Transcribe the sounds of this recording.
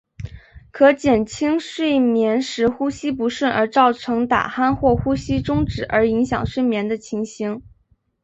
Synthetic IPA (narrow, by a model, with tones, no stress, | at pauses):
kʰɤ˧˥t͡ɕjɛ˨˩nt͡ɕʰi˥ŋʂwe˥˩ɪmjɛ˧˥nʂɻ̩˧˥xu˥ɕi˥pu˧˥ʂwə˥˩nə̰˞˧˥t͡sɑ˥˩ʊʈ͡ʂʰɤ˧˥ŋt̪a̰˨˩xa˥nxwɔ˥˩xu˥ɕi˥ʈ͡ʂʊ˥ŋʈ͡ʂɻ̩˨˩ʔə̰˞˧˥i˧˥ŋɕjɑ̰˨˩ŋʂwe˥˩ɪmjɛ˧˥nd̪ə˧t͡ɕʰi˧˥ŋɕi˧˥ŋ